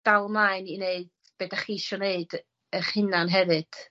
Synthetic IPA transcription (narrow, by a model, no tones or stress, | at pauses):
d̥alˠmaɨnineɨd̥ | b̥ɛdaχiːʃɔneɨd | əχɨnanɦɛvɨd̥